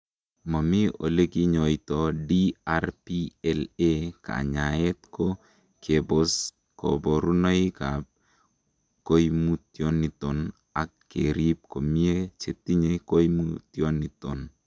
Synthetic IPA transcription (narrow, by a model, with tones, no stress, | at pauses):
ma˨mi˦o̰˨le˦ki˦ɲo˨jt̪ɔ˨diaɾpiɛleka̰˨ɲa˨je˦t̪ko | kʰe˨bos | ko̰˨bo˨ɾu˦no˦ika˨b̚ | ko˦jmu˦tjo˦nːi˨t̪ɔ˨n | a˨kː | eɾi˦p̚ko˨mi˦e˦t͡ʃe˨ti˦ɲeko˦jmut̪jo˦ni˨to˨n